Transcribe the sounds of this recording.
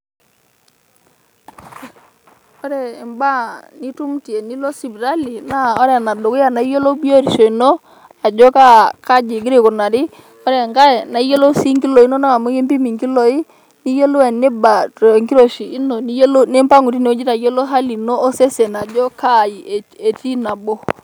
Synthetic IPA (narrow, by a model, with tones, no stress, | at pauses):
ɔ˦ɾɛː˨mba˦ni˦tu˦mti˨e˨ni˦lo˦si˨bi˨ɾa˦li˨na˦ɔ˦ɾɛ˨na˨do˨ku˦ja˨na˨i˦jo˦lo˦bi˦o˦ɾi˨ʃo˨i˨nɔ˦ | a˨d͡ʒɔ˦ka˦ka˦d͡ʒɪ˨ɡi˦ɾe˦˨ku˨na˨ɾɪ˦ | ɔ˦ɾɛ˨ŋɡa˦ɛ˨na˨˦jo˦lo˦si˦ŋɡi˦lo˨i˦nɔ˦na˦˨mo˦je˦mbi˦mi˨ŋɡi˦lɔ˨i˦ | ni˦jo˦lo˦ɛ˨ne˦ba˨tŋɡi˦ɾo˨ʃiː˨˦no˨ni˦jo˦lo˦ne˦mpa˦ŋu˨ɾi˦n˦d͡ʒi˦ta˨jo˦lo˦ɦa˦li˨noː˦sɛ˦sɛ˨na˨d͡ʒɔ˦ka˦˨ji˨e˨ti˦na˨bɔ˦